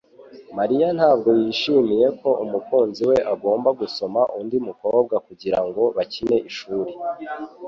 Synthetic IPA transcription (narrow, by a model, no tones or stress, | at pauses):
maɾijan̥haːb̚ɡo̞jiːʃimije̞ko̞ʔumukuːnziwe̞ʔaɡo̞ːmbaɡuso̞maʔundimuko̞ːb̚ɡakuɟiɾaŋɡo̞βacine̞ʔiʃuːɾe